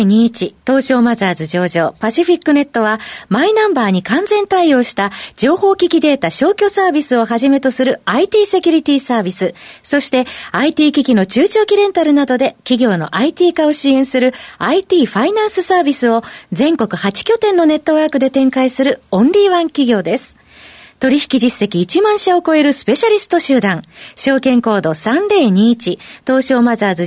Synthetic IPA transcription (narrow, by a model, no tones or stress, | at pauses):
ɲ̟iːt͡ɕit̪o̞ːɕo̞ːmazaːzɨʑo̞ːʑo̞ːpaɕiɸʲikːɯ̟ne̞t̪ːo̞βamainãmbaːɲ̟ikãnzẽ̞nt̪aio̞ːɕi̥t̪ad͡ʑo̞ːho̞ːkʲikʲid̪e̞ːt̪aɕo̞ːkʲo̞saːbʲisɨo̞ɦaʑime̞t̪o̞sɨɾɯ̟ait̪ʲiːse̞kʲɯɾʲit̪ʲiːsaːbʲisɨsoɕi̥t̪e̞ait̪ʲiːkʲikʲino̞t͡ɕɨːt͡ɕo̞ːkʲiɾẽ̞nt̪aɾɯ̟nad̪o̞d̪e̞kʲiɡʲo̞ːno̞̰ʔait̪ʲiːkao̞ɕiẽ̞ɰ̃sɨɾɯ̟ait̪ʲiːɸainãɰ̃sɨsaːbʲisɨo̞zẽ̞ŋko̞kɯ̟hat͡ɕi̥kʲo̞t̪ẽ̞nːo̞ne̞t̪ːo̞βaːkɯ̟d̪e̞t̪ẽ̞ŋkaisɨɾɯ̟õ̞nɾʲiːβãŋkʲiɡʲo̞ːd̪e̞sɨ̥ | t̪o̞ɾʲiçi̥kʲiʑisːe̞kʲiːt͡ɕimãɰ̃ɕaoko̞e̞ɾɯ̟sɨ̥pe̞ɕaɾʲisɨ̥t̪o̞ɕɨːd̪ãŋɕo̞ːkẽ̞ŋko̞ːd̪o̞sãnɾe̞ːɲ̟iːt͡ɕit̪o̞ːɕo̞ːmazɨazɨ